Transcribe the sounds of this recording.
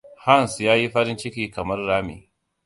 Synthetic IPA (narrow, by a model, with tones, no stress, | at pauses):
ha˦˨nsjaː˦ji˦ɸɐ˦ɾɪ˦nt͡ʃɪ˦kʲiː˨kɐ˨mɐ˦rːaː˦mḛː˨